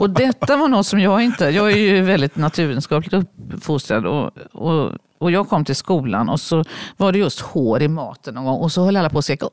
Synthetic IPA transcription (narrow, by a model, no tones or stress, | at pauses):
ɔd̪ɛt̪ːavaɳɔt̪ːsɔmjɑːɡɪnt̪əjɑːɡæɾjɵvɛld̪ɪt̪nat̪ʰʉ̟ːɾɛːd̪ənskɑːplɪkt̪ɵpfʊst̪ɾad̪ɔ̰ɔ̰ | ɔjɑːɡ̚kʰɔmːt̪ʰɪlskuːla̰nɔsɔvaɖɛjɵst̪hoːɾɪmɑ̰ːt̪ənːɔːnɡɔŋːɔsɔhœlːalːapʰɔːskɛːka